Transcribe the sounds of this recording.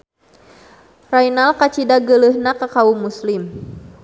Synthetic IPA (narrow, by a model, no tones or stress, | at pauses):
rajnalkat͡ʃidaɡələhnakəkaumuslim